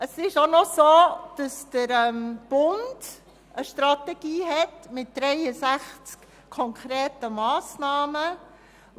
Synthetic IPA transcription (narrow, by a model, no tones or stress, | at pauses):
əsɪʃonɔsoːd̥ɑsd̥əɾɛmb̥ʊnd̥ | ʔəʃtɾɑtɛɡ̥iːɦɛtmɪt̚d̥ɾɛɪəsæχt͡sk | kʰɔŋkʰɾɛːtəmɑːsnɑːmə